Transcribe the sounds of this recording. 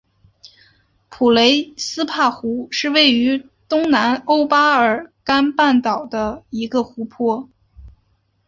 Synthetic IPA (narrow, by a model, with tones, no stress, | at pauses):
pʰu˨˩le˧˥ɪsɹ̩˥pʰa˥˩xu˧˥ʂɻ̩˥˧we˥˩ɪy˧˥ | t̪ʊ˥ŋna˧˥no˥ʊpa˥ə˞˨˩ka˥npa˥˩nt̪ɑ˨˩ʊd̪ə˦i˧˥ɡə˧xu˧˥pʰwɔ˥